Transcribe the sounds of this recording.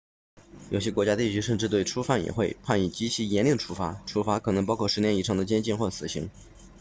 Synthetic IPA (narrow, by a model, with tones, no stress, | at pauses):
jo˨˩ʊɕjɛ˥kwɔ˧˥t͡ɕja˥t̪i˥˩t͡ɕʰy˧˥ʂə˥˧nʈ͡ʂɻ̩˥˧t̪we˥˩ɪʈ͡ʂʰu˥fa˥˩njɛ̰˨˩xwe˥˧ɪpʰa˥˩ni˨˩t͡ɕi˧˥t͡ɕʰi˧˥jɛ˧˥nli˥˩ŋdə˩ʈ͡ʂʰu˥fa˧˥ʈ͡ʂʰu˧˥fa˧˥kʰɤ˨˩nɤ˧˥ŋp̬ɑ˥ʊkʰɔ˥˩ʂɻ̩˧˥njɛ˥ni˧˩ʈ͡ʂʰɑ˧˥ŋd̪ə˧t͡ɕjɛ˥nt͡ɕi˥˧nxwɔ˥˩sɹ̩˨˩ɕi˧˥ŋ